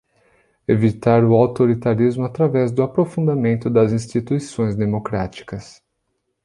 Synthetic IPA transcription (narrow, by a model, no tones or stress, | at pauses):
evit̪aɾʊawt̪oɾit̪aɾizmʊat̪ɾavɛzd̪ʊapɾofũnd̪amẽnt̪ʊd̪ɐzĩst͡ʃit̪uisõj̃zd̪emokɾat͡ʃi̥kɐs